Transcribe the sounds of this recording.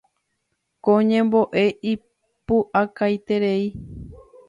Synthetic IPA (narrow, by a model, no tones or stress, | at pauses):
kõɲẽ̞mbo̞ʔe̞ʔi | puʔakajt̪e̞ɾe̞i